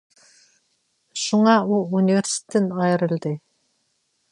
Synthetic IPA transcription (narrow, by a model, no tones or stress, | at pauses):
ʃuɴɑuunʲivʲeɾsi̥t̪ɪnɑjɾɪ̆lˠd̪ɪ